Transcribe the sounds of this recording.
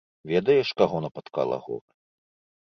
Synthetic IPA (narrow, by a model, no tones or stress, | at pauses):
vʲɛd̪ɐjɛʂkaɣɔnɐpɐt̪ka̰lˠɐ̰ɣɔ̰